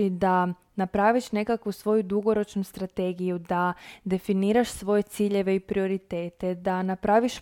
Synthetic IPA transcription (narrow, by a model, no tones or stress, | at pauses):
id̪a | napɾaʋiʃne̞kakʋusʋo̞jud̪uɡo̞ɾo̞t͡ʃnust̪ɾat̪e̞ɡijud̪ad̪e̞finiːɾaʃsʋo̞je̞t̪siːʎe̞ʋe̞ipɾio̞ɾit̪e̞ːt̪e̞d̪anapɾaʋiʃ